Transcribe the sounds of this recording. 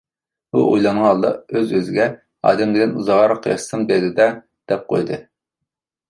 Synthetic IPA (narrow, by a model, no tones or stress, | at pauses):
bṵʔojlˠɑŋʁɑɑlˠd̪ɑ̰øzøzɪɡʲɛ | ɑ̰ːd̪ɛmd̪ɪd̪ʲɪnuzɑʁɑɾɑqʰjɑ̰ssɨmbɛɾd̪ɪd̪ɛ | d̪̥ɛp̚qʰo̰jd̪ɨ